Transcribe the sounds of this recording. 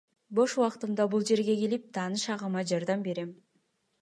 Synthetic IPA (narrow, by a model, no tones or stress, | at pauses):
bo̞ʃuwɑqt̪ɯmd̪ɑbulˠd͡ʒe̞ɾɡʲe̞kelip̚t̪ʰɑːnɯʃɑʁɑmɑd͡ʒɑɾd̪ɑmbe̞ɾe̞m